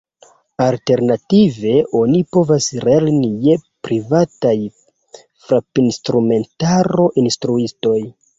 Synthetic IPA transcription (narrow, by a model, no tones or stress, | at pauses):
alte̞ɾnative̞ʔo̞nipo̞vasɾelnije̞pɾivataj | fɾapinstɾume̞ntaɾo̞ʔinstɾuisto̞j